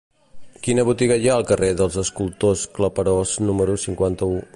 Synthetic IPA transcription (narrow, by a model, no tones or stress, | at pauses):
kinəβ̞ut̪iɣəjaəlˠkəreðəlˠzəskulˠt̪oskləpəɾoznuməɾusiŋkwant̪əu